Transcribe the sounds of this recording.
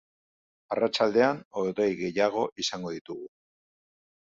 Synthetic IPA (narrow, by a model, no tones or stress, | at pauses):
arat͡ʃald̪e̞anod̪ojɣe̞jaɣ̞o̞ʔisaŋɡo̞ðit̪uɣu